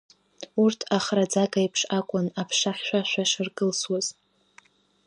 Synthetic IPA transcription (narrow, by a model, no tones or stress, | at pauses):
urtʰaχrad͡zaɡajpʰʂakʷʼʊnapʰʂaχʲʃʷᶣaʃᶣʷaʂɨrɡʼɨlswaz̥